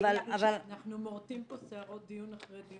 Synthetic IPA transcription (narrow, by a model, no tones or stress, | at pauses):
valavalanaχnumoʁt̪imposeaʁot̚d̪ijunaχʁed̪i